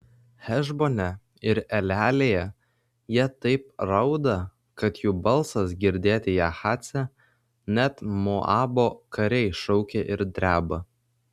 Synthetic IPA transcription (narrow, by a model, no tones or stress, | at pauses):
xʲɛʒboːnʲɛ | ɪɾɛlʲæːlʲeːjɛ | jiɛt̪ɐɪpɾɐʊd̪ɐ | kɐt̪juːbɐlˠsɐsɡʲɪɾʲd̪ʲeːt̪ʲɪjɛxɑːt̪sʲæ | nʲæt̪moʔɑːboːkɐɾʲɛɪʃɔʊkʲeʔɪɾd̪ʲɾʲæːbɐ